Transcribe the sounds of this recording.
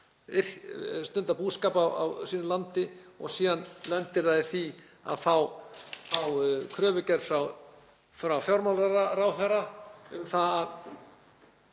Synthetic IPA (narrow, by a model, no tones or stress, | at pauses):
ɪr̥st̪ʏnt̪apuːðskaːpawa̰wsiːnʏlant̪ɪɔɣsiːðanlɛnt̪ɪɾðaðɪθi | a̰ðθawθawkʰɾœːvʏcɛɾ̥fɾaw | fɾawfjɔɾmalɾaɾaɾawθɛrːaʏmθaað